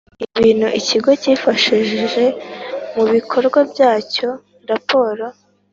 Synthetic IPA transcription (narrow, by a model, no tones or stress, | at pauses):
iβiːn̥huʔiciɡo̞ciːfaʃiʒʒe̞muβikʰo̞ɾɡwabjaːco̞ | ɾapo̞ːɾo̞